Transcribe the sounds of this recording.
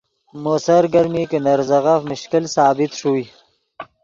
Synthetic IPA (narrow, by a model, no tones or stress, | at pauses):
mosɐɾɡɐɾmikinɐɾzɐɣafmʊʃkilsaːbɪt̪ʂui